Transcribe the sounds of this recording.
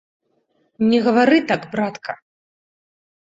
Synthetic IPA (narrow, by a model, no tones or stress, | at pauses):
nʲɛɣɐvaɾɨt̪aɡbɾat̪kʰɐ